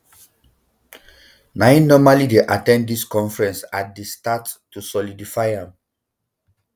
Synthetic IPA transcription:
naĩnnɔmalideʔatɛ̃nddiskɔ̃ɱfɹɛ̃nsat̚destatːusɔlidifaɪãm

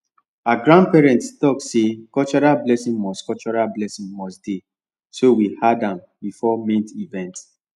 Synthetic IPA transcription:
aɡɹãnd̚pɛɹɛ̃ntstɔksekɔlt͡ʃɔɹalblɛsĩŋmɔskɔt͡ʃɔɹalblɛsĩŋmɔsd̥e | sowihadãm | bifɔmĩntivɛ̃nt

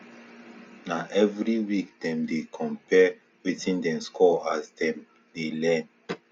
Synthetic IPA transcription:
naʔɛvɹiwik̚dɛ̃mdekʰɔ̃mpɛ | witĩndɛ̃mskʰɔasdɛ̃m | delɛ̃n

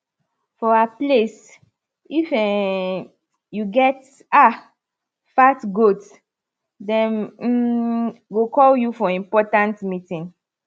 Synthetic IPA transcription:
fɔaples | ifɛ | juɡɛt | a | fatɡot | dɛ̃n̩ | ɡokɔljufɔĩmpɔtãntmitĩn

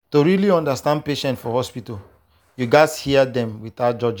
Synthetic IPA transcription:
toɹiliɔ̃ndəstãnd̚peʃɛ̃ntfɔhɔspital | juɡashiədɛ̃mwiθat̚d͡ʒɔd͡ʒĩ

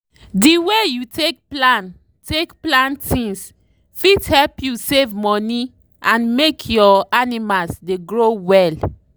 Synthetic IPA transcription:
diwejutek̚plãn | tekplãntʰĩŋs | fidhɛlpjusevmɔni | ʔãnmekʰjɔanimalsdeɡɹowɛl

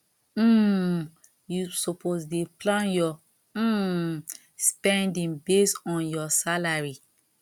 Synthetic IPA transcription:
m̩ | jusopozdeplãnjɔ | m̩ | spɛ̃ndĩŋbesɔ̃njɔsalaɹi

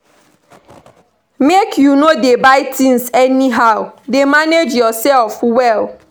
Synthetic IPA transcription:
mekjunodebaɪtĩnsɛniɦaʊdemaned͡ʒjɔsɛlfwɛl

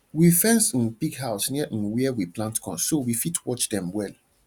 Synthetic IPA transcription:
wifɛ̃nsĩnpiɡɦaʊsniɛʔĩnwiɛwiplãntkɔ̰̃nsːowifitʰwɔt͡ʃdɛ̃mwɛl

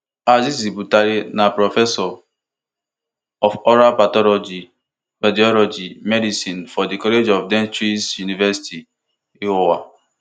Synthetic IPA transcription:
azisibutaɾinapɾɔfɛsɔ | ɔfɔɾapatɔlɔd͡ʒi | badiɔlɔd͡ʒimɛdisĩnfɔdikɔled͡ʒɔfdɛ̃nt͡ʃɾisjunivɛsi̥ti | ihowa̰

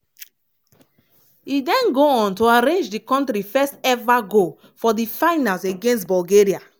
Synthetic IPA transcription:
idɛ̃nɡoɔ̃ntoaɾẽnd͡ʒdikɔ̃ntɾifɛstɛvaɡo | fɔdifaɪnãnseɡẽnstbɔlɡeɹia

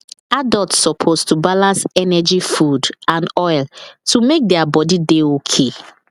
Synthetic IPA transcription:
adaltssɔpʰostubalãnsɛnɛd͡ʒifudãnɔɪltʰumek̚dɛabɔdideokʰe

